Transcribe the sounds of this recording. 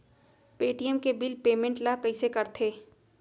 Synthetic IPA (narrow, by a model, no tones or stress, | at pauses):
peːʈijəmkebɪlpeːmẽɳʈlakɐisekɐɾt̪ʰeː